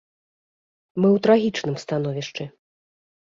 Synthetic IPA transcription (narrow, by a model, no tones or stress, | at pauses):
mɨwt̪ɾaɣʲit͡ʂnɨmst̪anɔvʲiʂt͡ʂɨ